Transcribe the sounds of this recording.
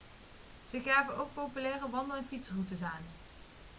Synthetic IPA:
z̥əɣaːvənowk̚popylɛːrəʋɑndənɛnfitsrutəsaːn

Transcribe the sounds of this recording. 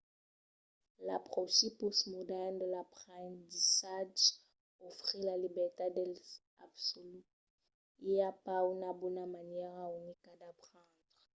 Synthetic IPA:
la̰pχɔsiposmudɛndəlapʁɛ̃ndisaʒ | ofʁilalibɛʁt̪adɛl | a̰bsoly | iapaunabunamanjɛʁaunikad̪apχɑ̃ːdʁ

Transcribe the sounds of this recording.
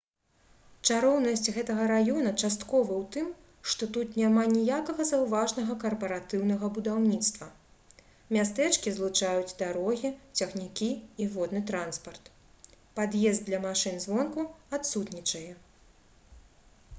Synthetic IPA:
t͡ʂaɾɔwnɐsʲt͡sʲɣɛt̪ɐɣɐɾajɔnɐt͡ʂast̪kɔvɐwt̪ɨm | ʂt̪ɔt̪ut̪nʲamanʲijakɐɣɐzɐwvaʐnɐɣɐkɐrpɐɾat̪ɨwnɐɣɐbud̪awnʲit̪st̪vɐ | mʲast̪ɛt͡ʂkʲizlˠut͡ʂajud͡zʲd̪aɾɔɣʲit͡sʲɐxnʲikʲiːvɔd̪nɨt̪ɾanspɐrt̪ | pad̪jɛzd̪lʲɐmaʂɨnzvɔnkuat̪sut̪nʲit͡ʂɐjɛ

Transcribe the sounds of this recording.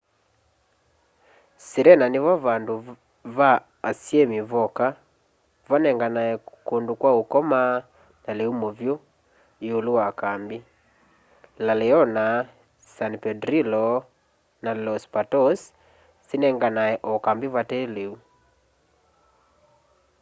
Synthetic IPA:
seɾɛnaneβaβando | βaː | sjɛmiβɔka | vanɛŋɡanaɛkondokwaokɔma | naleumovjo | eolowakambi | lalɛɔna | sanpɛdɾilɔ | nalɔspatɔs | senɛŋɡanaɛʔɔkambiβatɛːleu

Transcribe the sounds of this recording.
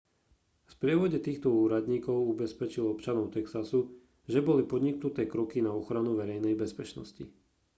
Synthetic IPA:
fpɾɪɛʋɔɟɛt̪iːxt̪ɔuːɾad̪ɲiːkɔʊubɛspɛt͡ʃilɔpt͡ʃanɔʊt̪ɛksasu | ʒɛbɔlipɔd̪ɲiknut̪ɛːkɾɔkinaɔxɾanuʋɛɾɛjnɛjbɛspɛt͡ʃnɔ̰sci

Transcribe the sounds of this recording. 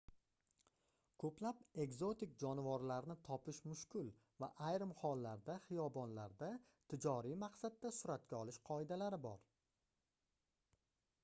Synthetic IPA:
kʰɵplape̞ɡzo̞t̪ɪk̚ʲd͡ʒɒnɪvɒɾlaɾnɪt̪ʰɒpʰɪʃmʊʃkʲɪlˠ | va̰ʔajɾɪmhɒlˠːaɾd̪aχɪjɒbɒnlaɾd̪a | t̪ʰɪd͡ʒɒɾijmaqsad̪ːasʊɾat̪̚kʲaɒlˠɪʃqʰɒed̪alaɾɪbɒ̰ɾ

